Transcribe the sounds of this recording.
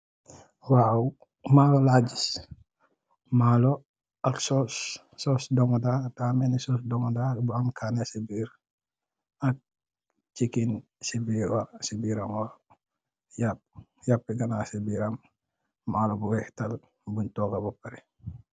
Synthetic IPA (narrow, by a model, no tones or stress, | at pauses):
wawu | maːlɔlaːɟis | malɔ | ɐksɔsː | ɔsdɔŋɔdataːmɛnisɔsdɔŋdabuaŋkʰanasibiːɾ | ɐk̚ | t͡ʃikin | sibiːɾwasibiːɾɐmwa | jap̚japːiɡɐnasibiːɾɐmː | aːlɔbuwɛhtɐl | buɲtɔːɡɐbupɐɾi